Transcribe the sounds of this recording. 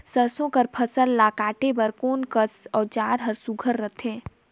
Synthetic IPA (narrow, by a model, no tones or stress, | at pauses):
səɾsõkəɾpʰəsəlːaːkaːʈebəɾkoːnkəsɔːɾt͡ʃaːɾɦəɾsuɡʱəɾːət̪ʰẽː